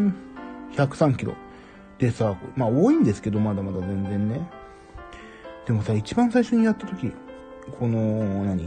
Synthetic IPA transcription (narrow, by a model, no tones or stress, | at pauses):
çakɯ̟̥sãŋkʲiɾo̞̰ | d̪̥e̞sakomao̞ːĩnd̪e̞sɨ̥ke̞d̪o̞mad̪amad̪azẽ̞nd͡zẽ̞nːe̞ | d̪̥e̞mo̞sait͡ɕibãɰ̃saiɕo̞ɲ̟ijat̪ːat̪o̞kʲi | kʰo̞no̞nãɲ̟i